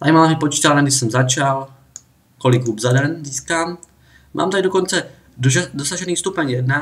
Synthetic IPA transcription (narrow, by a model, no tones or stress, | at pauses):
t̪a̰maːamipɔt͡ʃiːt̪alnɛɡd̪isɛmzat͡ʃal | kɔlikubzad̪ɛnziːskaːm | mʔa̰ːmt̪aɡdɔkɔnt͡sɛ | dd̪ɔsaʒɛniːst̪upɛɲjɛd̪na